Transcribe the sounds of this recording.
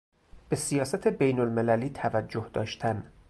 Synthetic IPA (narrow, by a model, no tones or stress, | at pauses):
b̥e̞sijɒːsæt̪ʰebejnolmelæliːt̪ʰævæd͡ʒːohd̪ɒ̰ːʃt̪ʰæn